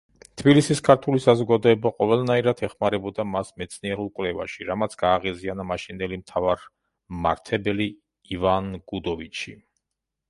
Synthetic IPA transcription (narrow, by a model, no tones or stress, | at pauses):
t̪ʰbilisiskʰaɾt̪ʰulisazɔɡad̪ɔɛbaqʼɔvɛlˠnaiɾat̪ʰɛχmaɾɛbɔd̪amasmɛt̪sʰniɛɾulˠkʼwlɛvaʃiɾamat̪sʰɡ̥aːʁizianamaʃind̪ɛlimt̪ʰavaɾ | ma̰ɾt̪ʰɛbɛliː | vanɡ̥ud̪ɔvit͡ʃʰi